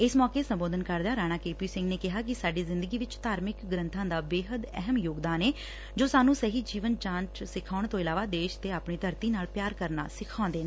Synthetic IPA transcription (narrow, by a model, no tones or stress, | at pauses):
ɪsmɔːkeːsəmboːd̪ənkəɾd̪aːɾaːñaːkeːpiːsɪ̃ŋɡneːkɪɦaːk̬ɪsaːɖiːzɪ̃nd̪əɡiːʋɪt͡ʃt̪aːɾmɪkɡɾənt̪ʰãːd̪aːbeːɦəd̪ɛ̰ɦəmjoːɡd̪aːneː | d͡ʒoːsaːnũːsəɦiːd͡ʒiːʋənt͡ʃãːnt͡ʃsɪkʰaːʊɳt̪õːɪlaːʋaːd̪eːʃt̪eːaːpɳiːt̪əɾt̪iːnaːlpjaːɾkəɾna̰ːsɪkʰãõːnd̪eːnaː